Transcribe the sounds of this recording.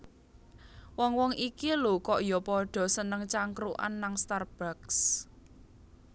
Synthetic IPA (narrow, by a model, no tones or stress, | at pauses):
wɔŋwɔŋikilukɔʔjɔpɔɖ̥ɔ̤sənəŋt͡ʃaŋkɾuʔa̰nːaŋst̪arb̥aks